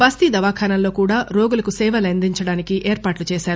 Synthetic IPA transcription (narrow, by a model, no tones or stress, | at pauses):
bɐst̪id̪ɐʋaːkʰaːnɐmlo̞ːkuːɽaːɾo̞ːɡulɐkusɛːʋɐlend̪iɲt͡ʃɐɽaːnikiʔeːɾpaːʈlut͡ʃɛːʃaːɾu